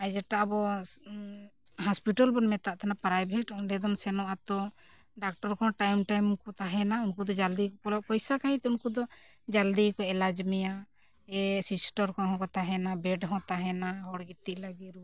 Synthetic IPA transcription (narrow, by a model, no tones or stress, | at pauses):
ad͡ʒaʈaabɔ | ɦaspiʈalbɔnmɛt̪aʔt̪ʰanapɾajbʱɛʈɔɖɛd̪ɔmsɛnɔʔat̪ɔ | ɖak̚ʈɔɾkɔ̃ʈajmʈajmkɔt̪aɦɛnaunkud̪ɔd͡ʒald̪ikɔkɔlɔkɔjsakaɦit̪ɛunkud̪ɔ | d͡ʒald̪ikɔɛlad͡ʒmɛja | ɛsisʈɔɾkɔ̃ɦɔ̃kɔt̪aɦɛnabɛɖɦɔ̃t̪aɦɛnaɦɔɽɡit̪ːiʔlaɡiɾu